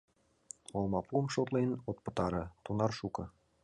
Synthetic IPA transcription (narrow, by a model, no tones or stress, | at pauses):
olˠmɑpuəmʃot̪lenot̪̚pɤ̆t̪ɑɾɤ̆t̪unɑrʃukɤ̆